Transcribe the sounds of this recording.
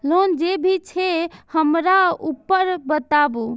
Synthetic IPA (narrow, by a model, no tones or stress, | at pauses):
lond͡ʒebʱit͡ʃʰehəmɾaupːəɾbət̪abu